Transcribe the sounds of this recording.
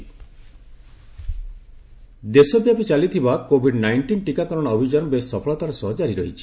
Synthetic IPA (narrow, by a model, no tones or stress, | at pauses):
d̪esɔbjapit͡ʃalit̪ʰibakobʱiɖnajɳʈinʈikakɔɾɔɽ̃ɔːbʱid͡ʒanɔbessɔpʰɔɭɔt̪aɾɔsɔɦɔd͡ʒaɾiɾɔɦit͡ʃʰi̥